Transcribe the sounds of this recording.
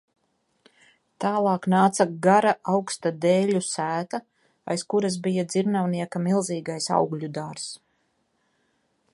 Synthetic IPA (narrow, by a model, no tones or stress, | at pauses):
t̪aːlˠɑːknaːt̪saɡaɾaʔawkst̪ad̪ɛːʎʲusæːt̪a | a̰jskuɾas̬bijad̪ziɾnawniɛkamilˠziːɡajsa̰wɡʎʲud̪aɾs